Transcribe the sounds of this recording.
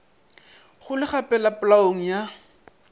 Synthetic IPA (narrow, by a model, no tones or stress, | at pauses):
χʊlɪχapɛlapʊlaoŋ̩ja